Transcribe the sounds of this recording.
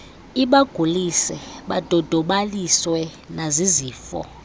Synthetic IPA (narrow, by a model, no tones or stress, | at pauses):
iɓaɡ̥ʱulisɛɓad̥ʱɔd̥ʱɔɓaliswɛ | naziziːfɔ̰